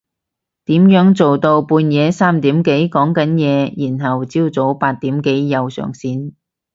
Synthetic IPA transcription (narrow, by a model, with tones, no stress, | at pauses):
t̪iː˨˥mjœː˨˥ŋt͡so˨wt̪o˧wpuː˧njɛː˨˧saː˥mt̪iː˨˥mke˨˥jkɔː˨˥ŋkɐ˨˥njɛː˨˧jiː˨˩nɦɐ˨wt͡siː˥wt͡so˨˥wpaː˧t̚t̪iː˨˥mke˨˥jːɐ˨wsœ̰ː˨˩ŋsiː˧n